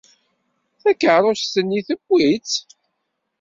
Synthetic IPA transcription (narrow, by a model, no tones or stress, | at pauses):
θækːəʕɾˤʊst̪ənːiθəbːit͡s